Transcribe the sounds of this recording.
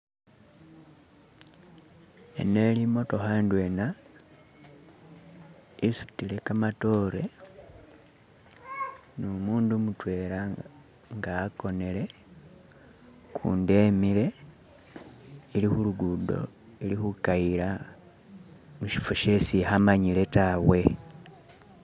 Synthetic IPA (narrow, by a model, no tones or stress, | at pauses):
ḛne̞limo̞to̞xandwe̞na | isu̥tile̞kamato̞ɾe̞ | nomuːndumutwe̞ɾa | ŋɡaːko̞ne̞le̞ | kʰṵːnde̞mile̞ | ilixuluɡudo̞̰ | ilixukaiɾa | muʃi̥fuʃesihamaɲile̞tawe̞